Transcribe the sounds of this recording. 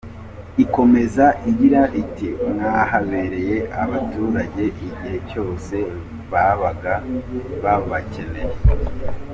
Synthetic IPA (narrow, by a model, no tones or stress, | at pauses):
iko̞me̞zaʔiɟiɾaʔitiŋahaβe̞ɾe̞je̞ʔaβatuːɾaɟe̞ʔiɟihe̞co̞ːse̞ | βaβaɡaβaβace̞ne̞je